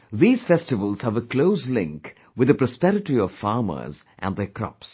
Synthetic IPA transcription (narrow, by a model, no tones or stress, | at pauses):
ðiːz̥fɛstɨvəlˠz̥həvəkʰloʊslɪ̰̃ŋk | wɨðəpɹɔspɛɾɪʈiɔv̥fɑːmə̰˞zʔæ̰̃nðəkʰɾɔ̰ps